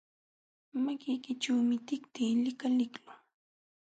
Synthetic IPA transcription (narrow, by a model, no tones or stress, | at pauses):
makɪjkɪʈ͡ʂaːmɪt̪ɪk̚t̪iːlɪkalɪklʊ